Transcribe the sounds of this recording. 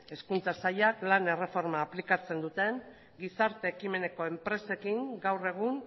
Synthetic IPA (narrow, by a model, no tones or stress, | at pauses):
e̞skunt͡sasajaklane̞re̞fo̞ɾmaːplikat͡se̞nd̪ut̪e̞ŋ | ɡisaɾt̪e̞ːkime̞ne̞ko̞e̞mpɾe̞se̞kiŋɡawre̞ɣ̞un